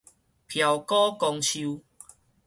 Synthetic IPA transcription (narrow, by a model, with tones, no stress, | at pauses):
pʰja˨wkɔ˦kɔ˧ŋt͡ɕʰu˧